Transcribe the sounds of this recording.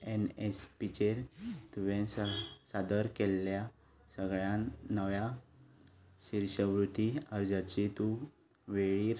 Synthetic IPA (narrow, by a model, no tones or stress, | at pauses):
enespit͡ɕeɾt̪uʋẽsad̪əɾkelːja | səɡɭjãnnːəʋja | ɕiɾɕəʋɾut̪iəɾd͡zat͡ɕit̪u | ʋeɭiːɾ